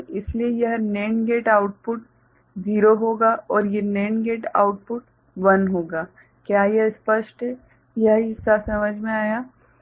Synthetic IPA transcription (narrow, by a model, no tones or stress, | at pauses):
ɪsliejɐɦneːnɡeːʈaːʊʈ̚pʊʈ | ziːɾoɦoːɡaːʔɔːɾjeneːnɡeːʈa̰ːʊʈ̚pʊʈ | ʋɐnɦoːɡaː | kjaːjespəʃʈɦɛ | jɐɦɪsasɐməd͡ʒʱmẽaːjaː